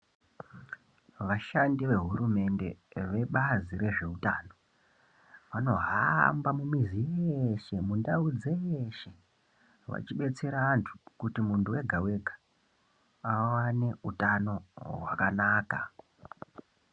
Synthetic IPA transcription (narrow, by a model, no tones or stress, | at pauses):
ʋaʃandiʋe̞ɦurume̞nde̞̰ʋe̞ɓazire̞ʐe̞utano̞ | ʋano̞ɦambamumizijeʃe̞mundaud͡zejeʃe̞ | ʋa̰t͡ʃiɓe̞t͡se̞ɾaːntʰu̥kutimuntʰuwe̞ɡʱawe̞ɡʱḁ | awane̞utano̞ɦwakanaːka̰